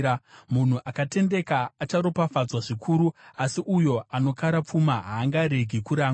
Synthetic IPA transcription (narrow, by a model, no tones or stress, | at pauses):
mun̤uʔakate̞nde̞kaːt͡ʃaɾo̞pafad͡zwaʐikʰuːɾuasiʔujo̞ano̞kaɾap͡fumaɦaːŋɡaɾeɡʱikuɾaːŋ